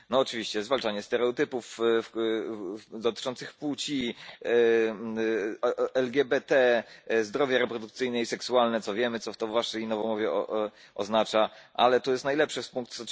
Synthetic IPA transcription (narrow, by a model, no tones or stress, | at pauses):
nɔːt͡ʂɘvʲiɕt͡ɕɛzvalt͡ʂaɲɛst̪ɛɾɛɔt̪ɘpuf | d̪ɔt̪ɘ̥t͡ʂɔnt̪sɘxput͡ɕi | ɛlɡʲɛbɛt̪ɛzd̪ɾɔvʲjaɾɛpɾɔd̪ukt̪sɘjnɛisɛksualnɛt̪sɔvʲjɛmɘt̪sɔft̪ɔvːaʂɛjnɔvɔmɔvʲɛ̰ | ɔ̰znat͡ʂaʔa̰lɛt̪ɔjɛst̪najlɛpʂɘspuŋkt̪sɔ